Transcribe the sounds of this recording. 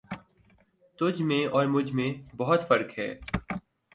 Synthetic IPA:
t̪ʊd͡ʒʱmẽɔːɾmʊd͡ʒʱmẽbɔɦʊt̪fɐɾkɦɛ̰ː

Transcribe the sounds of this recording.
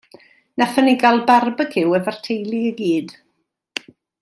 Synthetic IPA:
nafəniɡalˠbarbəkʰɪwəvar̥tʰejlˠiəɡiːd̥

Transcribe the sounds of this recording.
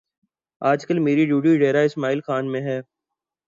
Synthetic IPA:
aːd͡ʒkəlmeːɾiɖjuːɖioɪɖeːɾaɪsmaːiːlxaːnmẽɦɛː

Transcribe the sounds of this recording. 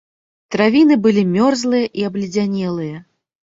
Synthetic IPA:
t̪ɾavʲinɨbɨlʲimʲɔrzlˠɨjɐʔiɐblʲid͡zʲanʲɛlˠɨjɐ

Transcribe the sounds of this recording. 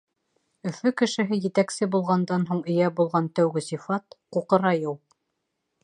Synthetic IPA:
ɵ̆fɵkɘ̆ʃɘ̆ɦɘjɘ̆t̪æksɘbulˠʁɑnd̪ɑnɦuɴɵ̆jæbulˠʁɑnt̪æwɡɘsifɑt̪quqɤ̆ɾɑjuw

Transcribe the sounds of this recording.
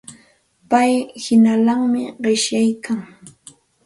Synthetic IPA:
pajhɪnalaŋmɪɢɪʃjajkaŋ

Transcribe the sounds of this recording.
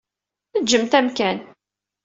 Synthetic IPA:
θəd͡ʒːəmt̪æmkæn

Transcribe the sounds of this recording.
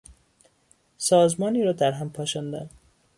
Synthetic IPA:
sɒːzmɒːniːɾɒːd̪æɾɦæmpʰɒːʃæːnd̪æ̰n

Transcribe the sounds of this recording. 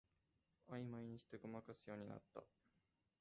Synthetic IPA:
aimaiɲ̟içi̥t̪e̞ɡo̞makasɨjo̞ːɲ̟ina̰t̪ːa̰

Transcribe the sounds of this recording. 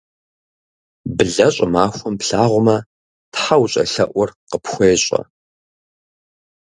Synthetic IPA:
bɨɮɐɕʼɪmaːxʷʊmpɬaːʁʷʊmɐ | tħawɕʼɐ̰ɬɐʔʷʊrqəpxʷeːɕʼɐ̰

